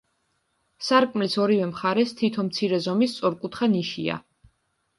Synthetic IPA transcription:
saɾkʼmlisɔɾivɛmχaɾɛst̪ʰit̪ʰɔmt̪sʰiɾɛzɔmist̪sʼɔɾkʼut̪ʰχaniʃḭa̰

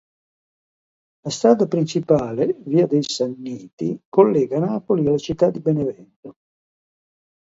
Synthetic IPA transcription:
last̪ɾaːd̪apɾint͡ʃipaːleviːad̪ejsanːiːt̪ḭkolːɛːɡanaːpolialːat͡ʃit̪ːad̪ːibenevɛnt̪o

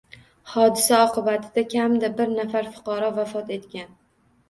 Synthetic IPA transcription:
hɒd̪ɪsaɒqʰɨbat̪ʰɪd̪akʲʰamd̪abɪɾnafaɾfʊ̥qɒɾɒvafɒt̪e̞t̪kʲan

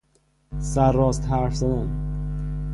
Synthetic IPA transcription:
sæɾːɒːst̪hæɾfzæd̪æn

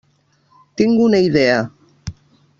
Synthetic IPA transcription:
t̪iŋɡunaiðea

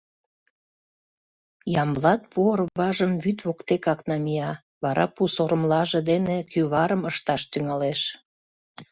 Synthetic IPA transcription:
jɑmblɑt̪̚puərβɑʒəmβyt̪βokt̪ekɑknɑmijɑ | βɑɾɑ̰pusoɾəmlɑʒĕd̪enekyβɑɾəməʃt̪ɑʃt̪yŋɑleʃ

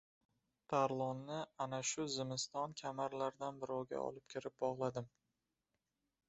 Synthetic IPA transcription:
t̪ʰaɾlˠɒnːɪanaʃʊzɪmɪst̪ɒnkʲʰamaɾlaɾd̪anbɪɾɒwɡʲa̰ɒ̰lɪpkʲʰɪɾɪp̚bɒʁlˠad̪ɪm

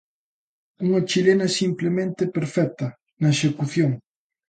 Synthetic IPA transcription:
uŋat͡ʃilenɐsimplemẽnt̪epeɾfɛk̚t̪ɐ | nɐeʃekuθjoŋ

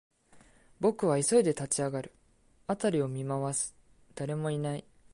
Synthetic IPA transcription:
bo̞kɯ̟βaiso̞id̪e̞t̪at͡ɕiaɡaɾɯ̟ | at̪aɾʲio̞mʲimaβasɨ̥ | d̪̥aɾe̞mo̞inai

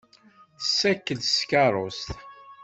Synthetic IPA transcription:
θəsːækːəlskɑɾˤost̪

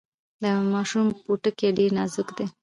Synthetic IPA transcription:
d̪əmɑʃumpuʈəkeɖeɾnɑzʊkd̪e

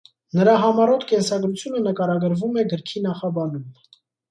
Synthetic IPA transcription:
nəɾɑɦɑmɑɾɔt̪ʰkɛnsɑɡɾut͡sʰjunənəkɑɾɑɡəɾvumɛɡəɾkʰinɑχɑbɑnum

